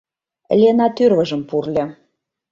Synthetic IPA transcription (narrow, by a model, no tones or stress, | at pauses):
lʲenɑt̪yrβə̆ʒə̆mpurlʲĕ